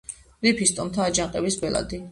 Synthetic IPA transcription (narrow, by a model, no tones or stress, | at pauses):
ɾipʰist̪ʼɔmt̪ʰaːd͡ʒaŋqʼɛbisbɛla̰d̪i